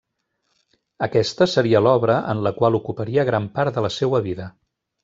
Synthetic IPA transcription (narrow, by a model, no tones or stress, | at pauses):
əkɛst̪əsəɾiəlɔβɾəʔə̰nləkwalˠukupəɾiəɣɾampaɾt̪d̪ələsewəβiðə